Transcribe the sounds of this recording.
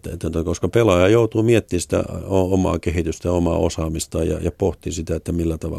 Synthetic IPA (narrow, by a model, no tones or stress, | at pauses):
t̪ːḛt̪ːot̪ɑkoskɑpelɑjɑjout̪uːmiet̪ːiːsi̥t̪æ̰oomɑ̰ːkehit̪yst̪æjomɑ̰ːo̰sɑːmist̪ɑjɑ̰jɑpoht̪isit̪æet̪ːæmilːæt̪ɑʋɑ̰